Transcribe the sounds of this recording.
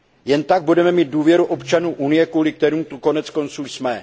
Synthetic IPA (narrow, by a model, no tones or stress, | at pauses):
jɛnt̪aɡ̚budɛmɛmiːd̪̚duːvjɛɾuʔo̞pt͡ʃanuːʔunɪjɛkvuːlɪkt̪ɛɾuːmt̪uko̞nɛt͡sko̞nt͡suːsmɛ